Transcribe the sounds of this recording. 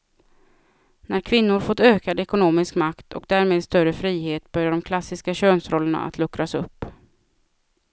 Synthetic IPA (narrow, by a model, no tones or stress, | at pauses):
næɾkʰvɪnːʊɾfɔt̪ːøːkad̪ɛkʊnoːmɪskmakt̪ʰɔ̰k̚d̪æːɾmeːd̪st̪œɾəfɾiːɦeːt̪bœɾjaɖɔmkʰlasːɪskaɕøːnsɾɔlːəɳa̰a̰t̪ʰlɵkɾasɵpː